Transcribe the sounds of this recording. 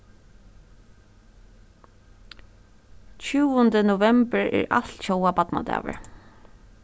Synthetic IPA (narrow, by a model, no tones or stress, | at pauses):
t͡ɕʉːʊnd̪ənʊvɛmbəɹɛ̰ɹa̰lt̪çɔwapat̪na̰d̪æ̰ːʋə̰ɹ